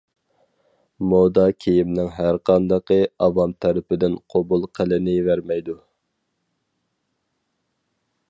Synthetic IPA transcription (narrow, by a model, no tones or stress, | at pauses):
mod̪ɑkʲʰejimnɪŋɦæɾqʰɑnd̪ɑqəɑvɑmt̪ʰɛɾɪpɪd̪ɪnqʰobulˠqʰəlɪnɪvæɾmɛjd̪u